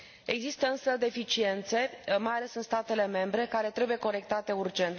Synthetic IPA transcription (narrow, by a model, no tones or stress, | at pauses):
e̞ɡzist̪əɨnsəd̪e̞fit͡ʃie̞nt̪se̞majale̞sɨnst̪at̪e̞le̞me̞mbɾe̞kaɾe̞t̪ɾe̞buje̞ko̞ɾe̞k̚t̪at̪e̞urd͡ʒe̞nt̪